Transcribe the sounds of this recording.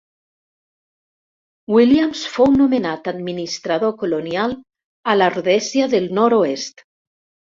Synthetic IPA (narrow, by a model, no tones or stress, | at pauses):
wiljamsfownomenat̪ad̪minist̪ɾað̞okolonjal | alaruðɛsjaðelnɔɾoest̪